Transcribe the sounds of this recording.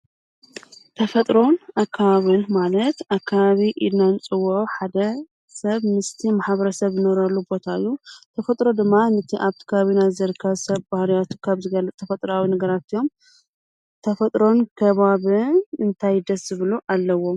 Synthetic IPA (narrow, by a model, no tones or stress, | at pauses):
t̪ʰɐfɐt̪ʼɾo̞nakʰːaβaβɨnmalɐt̪akʰːaβaβiʔid̪nant͡sʼɨwʕoħad̪ɐ | sɐβmɨst̪ʰimaħβɐɾɐsɐβzɨnoɾalːubo̞t̪ʰaɨjːut̪ʰɐfɐt̪ʼɾo̞d̪ɨmːanɨt̪ʰiʔaβt̪ʰi̥kʰaaβinazɐɾkʰːɐβsɐβbahlijat̪ʰu̥kʰaβzɨɡɐlːɨt͡sʼt̪ʰɐfɐt̪ʼɾawinɐɡɐɾat̪ijo̞m | t̪ʰɐfɐt̪ʼɾo̞nkʰɐβaβɨɨnt̪ʰajd̪ɐsz̥ɨβɨluʔalːɐwo̞m